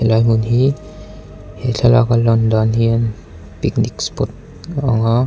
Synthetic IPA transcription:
helajmunɦi | heɬala̰kalɔndɔnɦian | piknikspɔt̚ | a̰ŋa

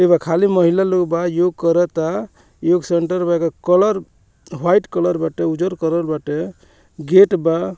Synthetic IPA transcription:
ebakʰaliməɦilaloɡbajoɡ̚kəɾɛt̪a | joɡseɳʈəɾbakakələɾ | ɦwajʈkələɾbaʈeud͡ʒəɾkəɾəɾbaʈe | ɡeʈba

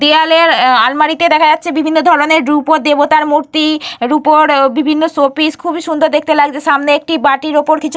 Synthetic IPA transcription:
d̪ealeɾalmaɾit̪ed̪ɛkʰad͡ʑatːɕʰebibʱinːod̪ʱɔɾoneɾɖɾupod̪ebot̪aɾmuɾt̪iɾupoɾbibʱinːosopiskʰubiʃund̪ʱoɾd̪ek̚ʰt̪elaɡd͡ʑeʃamneek̚ʈibaʈiɾopoɾkit͡ɕʰu

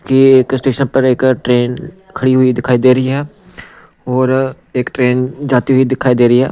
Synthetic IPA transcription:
kieːkɪsʈeːʃənpɐɾeːkʈɾeːn | kʰɐɽiɦʊid̪ɪkʰaːid̪eːɾɐiɦɛː | ɔːɾ | eːkʈɾeːnd͡ʒaːt̪iɦʊid̪ɪkʰaːid̪eːɾɐɦiɦɛ̰ː

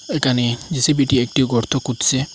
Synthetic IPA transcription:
ekanid͡ʒisebiʈiek̚ʈiwɡɔɾt̪ʰɔkut̪se

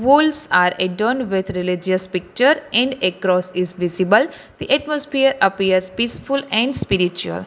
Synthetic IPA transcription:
ʋuːlsaːɾeɖoːnʋɪd̪ɾɪlɪd͡ʒəspɪk̚t͡ʃəɾɛ̃ɳɖekɾɔːsɪzʋɪzibəl | d̪̥iʔɛʈmɔsfiəɾəpiəɾzpiːsfʊlɛ̃ɳɖspiɾit͡ʃuə̰l

